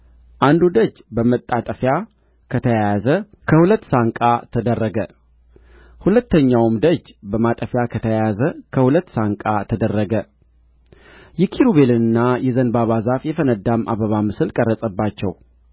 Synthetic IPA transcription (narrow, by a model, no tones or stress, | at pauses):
ʔand̪ud̪əd͡ʒbəmət̪ʼːat̪ʼəfja | kʰət̪ʰəjazə | kʰəhulət̪ːsaŋkʼat̪ʰəd̪ərːəɡə | hulət̪ːəɲːawmd̪əd͡ʒbəmat̪ʼəfjakʰət̪ʰəjazəkʰəhulət̪ːsaŋkʼat̪ʰəd̪ərːəɡə | jɛkʰiɾuβe̞lɨnɨnːajɛzənbaβazafjɛfənəd̪amʔa̰βəβamɨsɨlkʼərːəsʼəbːat͡ʃːɛ̰w